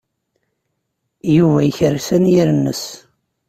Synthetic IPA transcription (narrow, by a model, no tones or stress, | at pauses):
juvæjəçəɾsænjiɾənːə̰s